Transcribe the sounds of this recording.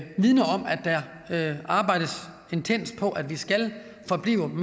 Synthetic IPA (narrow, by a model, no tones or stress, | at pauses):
ʋið̞ˠnɐɒ̽mæd̥ːæɐ | ɑ̈ːb̥ɑ̈ɪ̰d̥əs | e̝nt͡sʰen̰s̚pʰɒ̽ʔæd̥ʋisɡ̥æl | fɒ̽b̥lḭːʊ̰əm